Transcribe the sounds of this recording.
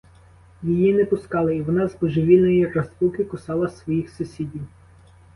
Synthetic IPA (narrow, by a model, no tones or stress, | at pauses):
jijinɛpʊskɑlˠɪiʋɔnɑzbɔʒɔʋʲilʲnɔjirɐst̪ukɪkʊsɑlˠɐsʋɔjixsʊsʲidʲiw